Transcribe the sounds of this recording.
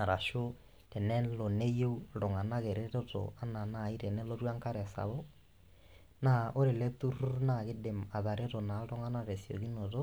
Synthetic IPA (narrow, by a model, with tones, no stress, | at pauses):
na˨ɾa˨ʃo˦ | tɛ˨nɛ˦lɔ˨ne˦je˦u˦ɾɔ˨ŋa˨na˦ɣɛ˨ɾɛ˦ɾɔ˦ɾɔ̰˨a˦na˨na˨i˦ɾɛ˨nɛ˦lɔ˦ɾwa˦ŋka˦ɾɛ˨sa̰˨βɔ˦ | na˨ʔo˦ɾe˨lɛ˦t̪u˦ɾu˦ɾu˦na˨ɣe˦de˨ma˨ða˨ɾɛ˦ɾɔ˨na˨ɾɔ˦ŋa˦na˦ɾɛ˨siɔ̰˨ɣi˦nɔ˨ɾɔ˦